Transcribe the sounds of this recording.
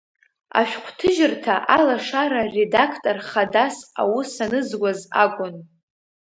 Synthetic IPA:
a̰ʃᶣqʷʰtʰɨʒɪrtʰaʔalaʂaɾare̞dakʰtʼorχadasa̰wʊsanɨzɡʷazakʷʼʊn

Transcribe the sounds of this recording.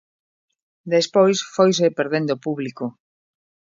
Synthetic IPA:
d̪espojsfojs̬epeɾðend̪opuβliko

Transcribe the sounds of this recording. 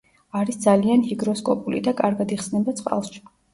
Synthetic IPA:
aɾisd̪zalianhiɡɾɔskʼɔpʼulḭd̪akʼaɾɡad̪iχsnɛbat̪sʼqʼa̰lˠʃi̥

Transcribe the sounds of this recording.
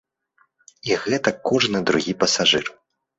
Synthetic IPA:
iɣɛt̪ɐkːɔʐnɨd̪ɾuɣʲipɐsaʐɨr

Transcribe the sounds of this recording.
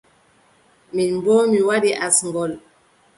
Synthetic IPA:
minmbɔːmiwadiʔasŋɡɔl

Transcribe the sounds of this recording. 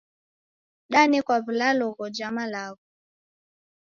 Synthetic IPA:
ɗanikwaβilalɔɣɔd͡ʒamalaɣɔ

